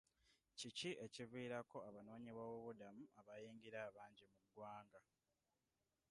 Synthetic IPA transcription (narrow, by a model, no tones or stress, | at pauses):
ciciʔe̞civiːɾako̞aβano̞ːɲiβaβoβudamuaβajiːŋɡiɾaːβaːɲɟimuɡwaːŋɡa